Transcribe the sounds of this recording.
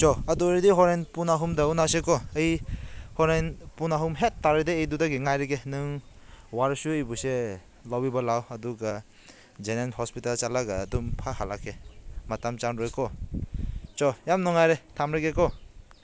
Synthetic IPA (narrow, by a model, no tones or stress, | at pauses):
t͡ʃɔɐdɔɾidiɦɔɾenpunaɦumdaunasekɔɐjhɔɾenpunaɦumɦetːaɾedeejdudaɡiŋajɾeɡenɯŋ | waɾsuejbuse | lawibɐlawɐduɡa | d͡ʒenenhɔspitalt͡ʃalaɡaːdumpʰahalakʰematamt͡ʃanɾɔjkʰɔ | t͡ʃɔjamnɔŋajɾetʰamɾeɡekɔ